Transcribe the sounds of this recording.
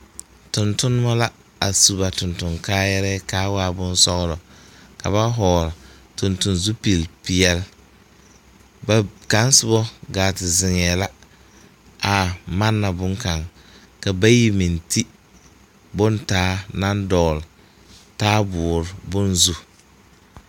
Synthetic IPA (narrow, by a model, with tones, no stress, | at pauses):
tʊ˨ntʊ˦n˦ma˦la˦ | a˨su˨ba˨tʊ˨ntʊ˨ŋkaː˦jɛ˦ɾɛ˦kaː˦waː˦˨bʊ˦n˦sɔ˦ɣɾɔ˨ka̰˨βa˦ɦɔː˨ɾ | tʊ˨ntʊ˨nzu˦pi˨lpi˨ɛ˦l | ba˨ka˨˦n˦sʊ˦bɔ˦ɡaː˨tɪ˨zɪ˨ŋɛ˨la˦ | a˨ma˦nːa˨bʊ˦ŋka˨ŋ | ka˨ba˦ji˦mi˨ntʰi˦ | bʊ˦ntaː˦na˦ndɔː˨l | taː˦bʊː˨ɾbʊ˦nzu˦